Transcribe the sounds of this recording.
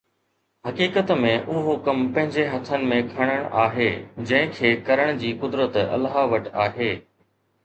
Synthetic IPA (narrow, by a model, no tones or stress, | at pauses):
hɐkiːkət̪mẽʔʊɦokɐmpɐ̃ɦɪ̃ɲd͡ʑeɦɐt̪ʰənɪ̆mẽkʰɐɽ̃əɽ̃ʔaːɦeːd͡ʑɐ̃ɦɪ̃kʰeːkɐɾəɽ̃d͡ʑiːkʊd̪ɾət̪ɐ̰lɦaʋɐʈaːɦeː